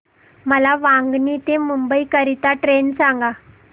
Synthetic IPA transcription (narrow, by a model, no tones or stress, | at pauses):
məlaʋãŋɡɳit̪emumbəikəɾit̪aʈɾensãŋɡa